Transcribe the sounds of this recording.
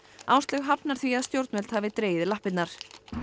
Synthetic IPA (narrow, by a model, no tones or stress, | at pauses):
awst̪lɛɣɦapnaɾ̥θviaðst̪jowɾt̪nvɛlt̪havɪt̪ɾeːjɪðɪlahpɪt̪naɾ̥